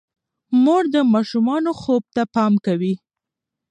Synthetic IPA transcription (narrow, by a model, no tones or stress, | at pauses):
moɽd̪əmɑʃumɑnoxob̚t̪apɑmkawi